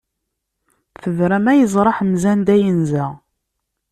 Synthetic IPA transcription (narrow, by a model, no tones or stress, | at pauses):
θəvɾæmæjəzˤɾˤɑħmzænd̪æjənzæ